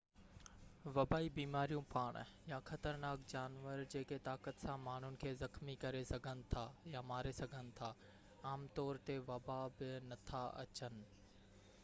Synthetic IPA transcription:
ʋɐbaːibiːmaːɾijũpaːɽ̃jaxɐt̪əɾnaːkd͡ʑaːnʋəɾd͡ʑeːket̪aːkət̪sãmaːɳ̤ʊnɪ̆kʰeːzɐxmikɐɾesɐɡʱənɪ̆t̪ʰajamaːɾesɐɡʱənɪ̆t̪ʰaː | aːmt̪ɔːɾt̪eʋɐbabɪnɐt̪ʰaɐ̰t͡ɕənɪ̆

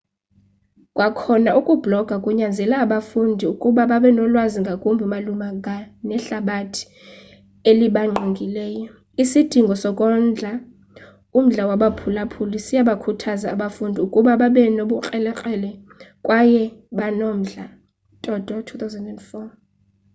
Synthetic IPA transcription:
kʼwakʰɔnaukʼub̥lɔɡ̥ʱakʼuɲand͡zʱɛlaːɓafundʱiukʼuɓaɓaɓɛnɔlwaziŋɡʱakʼumbʱiumalumaŋɡʱanɛɬaɓatʰi̥ | eliɓaŋ͡ǃʱiŋɡʱilɛːjɔ | isid̥ʱiŋɡʱɔsɔkʼɔnd͡ɮʱa | um̩ɮawaɓapʰulapʰulisijaɓakʰutʰazaːɓafundʱiukʼuɓaɓaɓɛnoɓuk͡xʼɛlɛk͡xʼɛlɛkʼwajɛɓanom̩ɮa | tʼɔd̥ʱɔtʰuθawzɛndɛntʼfɔ

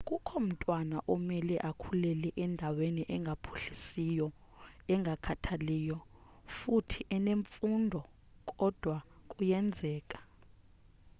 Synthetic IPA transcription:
kʼukʰɔm̩tʼwanaʔɔmɛlɛʔakʰulɛlɛʔɛndʱaweniʔɛŋɡʱapʰu̥ɬisijɔ | ɛŋɡʱakʰatʰaliːjɔ | futʰiʔɛneɱfundʱɔ | kʼɔd̥ʱwakʼujɛnd͡zʱɛːkʼḁ

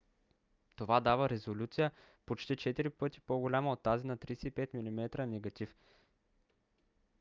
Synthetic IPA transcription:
t̪ovad̪avəɾɛzolʲut̪sijə | pot͡ʃt̪it͡ʃɛt̪iɾipɤt̪i̥poɡolʲamɐot̪ːazinɐt̪ɾisɛipɛt̪milʲimɛt̪ɾənɛɡɐt̪if

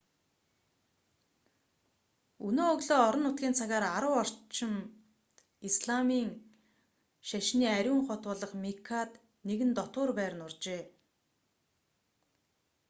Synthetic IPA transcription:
unoːɣɮoːɔɾɞ̆nːʊt̪̚ɡʲiːnt͡sʰaɣaːɾaɾəwɔr̥t͡ɕɪ̆m | isɮamiːŋ | ʃaʃniːæɾʲuːŋχɔt̪wʊːɮə̆χmikʰat̪ | neɣɘ̆nt̪ɔt̪ʊːrpæːrnʊrt͡ɕeː

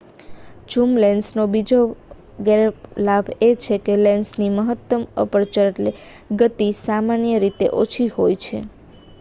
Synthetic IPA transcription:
t͡ʃumlɛnsnobid͡ʒo | ɡeɾlabʱet͡ʃʰekelɛnsniməɦət̪ːəmə̰pəɾt͡ʃəɾeʈle | ɡət̪isamanjəɾit̪ḛʔot͡ʃʰiɦojt͡ʃʰḛ

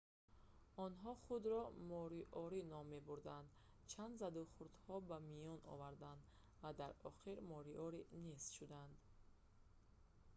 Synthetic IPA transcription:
ɔnɦɔχud̪ɾɔmɔɾiʔɔɾinɔmːe̞buɾd̪and̪ | t͡ʃʰand̪zad̪uχuɾd̪hɔbamijɔnɔ̰vaɾd̪and̪ | vad̪aɾɔχiɾmɔɾiʔɔɾinest̪ʃud̪and̪

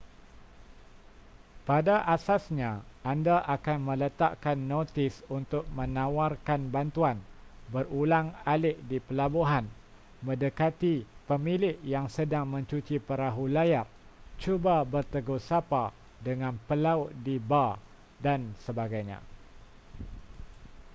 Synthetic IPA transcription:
padaʔasasɲãandaʔakanmə̃lət̪aʔkanːot̪ɪsunt̪ʊk̚mə̃nãwarkanbant̪uanbərulaŋalɪʔdipəlabuɦan | mə̃dəkat̪ipəmilɪʔjaŋsədaŋmə̃ɲt͡ʃut͡ʃipəɾaɦulajar | t͡ʃubabərt̪əɡusapa | dəŋãnpəlaʊʔ̚diba | dansəbaɡajɲã̰

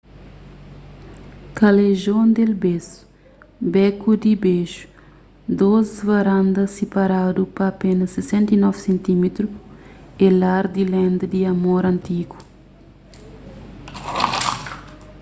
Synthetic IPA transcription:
kɐleʒõnd̪elbesu̥ | bɛkud̪ibeʃu̥ | d̪ozvɐɾãnd̪ɐsepaɾad̪upɐːpenɐsesɛ̃nt̪inɔvsẽnt̪imet̪ɾu | elaɾd̪ilɛ̃nd̪ɐd̪iɐmoɾɐ̃nt̪iɡu̥

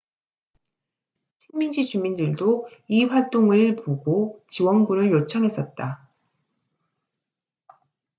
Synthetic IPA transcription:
t͡ɕʰi̥ŋmind͡ʑit͡ɕumindɯɭdoiɸwaɭt͈oŋɯɭpoɡot͡ɕiwʌnɡunɯɭjot͡ɕʰʌŋɦe̞s͈ʌt̚t͈a

